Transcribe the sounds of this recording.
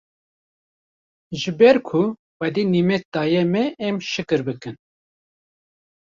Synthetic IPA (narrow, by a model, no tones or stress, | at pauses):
ʒɨbɛɾkʰu | xɛd̪iːnimɛk̚d̪ɑːjɛmɛʔːmʃɨkɨɾbɨkɨn